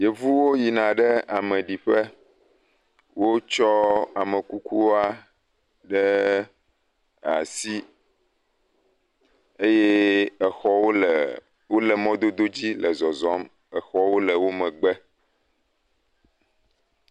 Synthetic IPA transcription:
je˨vu˦wo˦ji˨nã˨ɖɛ˦a˨mɛ̃˨ɖi˨ɸɛ˦ | wo˦t͡ʃɔ˦a˨mə̃˨ku˦ku˦wa˦ | ɖɛ˦ | a̰˨si˦ | e˦jɛ˦ɛ˨xɔ˦wo˦l | wo˦lɛ˨mɔ̃˦d̪o˦d̪o˦d͡ʑi˦lɛ˨zɔ˨zɔ˦m | ɛ˨xɔ˦wo˦lə˨wo˦mɛ̃˨ɡ͡bɛ˦

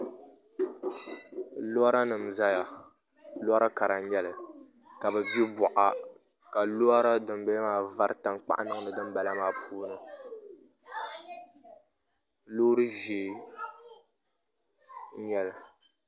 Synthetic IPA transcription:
lo˦a˦ɾa˦nɨ˨mza˦ja˨ | lo˦a˦ɾa˦ka˨ɾa˨ɲɛ˦lɨ˨ | ka˨bɛ˨bi˦bɔ˨ʔa˨ | ka˨lo˦a˦ɾa˦dɨ˨mbɛ˦maː˨va˦ɾɨ˦ta˨ŋk͡pa̰˦ʔnɨ˦ŋ˦nɨ˨dɨ˦m˦ba˨la˦maː˦pʰuː˦nɨ˨ | loː˦ɾɨ˦ʒeː˨˦˨ | ɲɛ˦lɨ˨

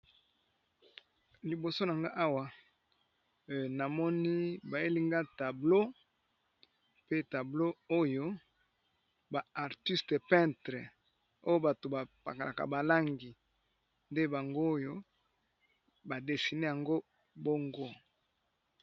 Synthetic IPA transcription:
li˨bo˨so˦na˨ŋɡa˦ʔa˦wa˨ | na˨mɔ˦ni˦ba˨e˦li˦ŋɡa˦ta˨blo˦ | pe˦ta˨blo˦o˦jo˦ | ba˨a˨ʁti˦ste˨pɛ̃˦ntʁe˨ | o˦jo˦ba˨to˨ba˨pa̰˨ka˨la̰˨ka̰˨ba˨la˦ŋɡi˨ | nde˦ba˨ŋɡo˦jo˦ | ba˨de˨si˨ne˦ja˨ŋɡo˦ | bo˦ŋɡo˦

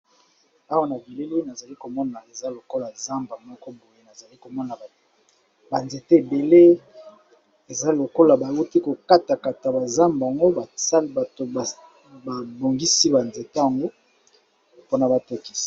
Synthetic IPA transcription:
a˦wa˦na˨bi˨le˦li˦na˨za˨li˦ko˨mɔ˦na˨e˨za˦lo˨ko˦la˨za˦mba˨mɔ˦kɔ˦bo˨je˦na˨za˨li˦ko˨mɔ˦na˨ | ba˨nze˨te˦e˨be˨le˦ | e˨za˦lo˨ko˦la˨ba˨wu˦ti˦ko˨ka˦ta˨ka˨ta˨ba˨za˦mba˨ŋɡo˦ba˨sa˦lba˨to˨a˨ | ba˨bo˨ŋɡi˦si˦ba˨nze˨te˦a˨ŋɡo˦ | po˦na˨ba˨to˦ki̥˦si̥˨

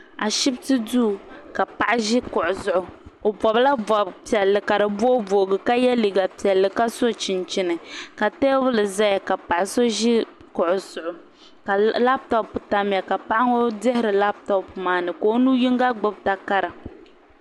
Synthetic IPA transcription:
a˨ʃi˦btɨ˦duː˦˨ka˨pa˨ʔa˦ʒɪ˦kʊ˨ʔʊ˨zʊ˦ʔʊ˨o˨bɔ˨bla˦bɔ˨pi˨ɛ˨lːɨ˨ka˨ɾɨ˨bo˦vo˨ɡɨ˨ka˦jɛ˦li˨ɡa˨pi˨ɛ˨lːɨ˨ka˦so˦t͡ʃi˨nt͡ʃi˦nɨ˨ka˨tɛː˦bʊ˦lɨ˨za˦ja˨ka˨pa˨ʔa˨so˦ʒɪ˦ | kʊ˨ʔʊ˨zʊ˨ʔʊ˨ | la˦bta˦˨pu˨ta˦m˨ja˨ka˨pa˦ʔa˦ŋo˦dɛ˦hɪ˦ɾɨ˨la˦bta˦pu˨maː˨nɨ˨ko˦nuː˦ji˦ŋɡa˦ɡ͡bʊ˦bta˨ka˦ɾa˨

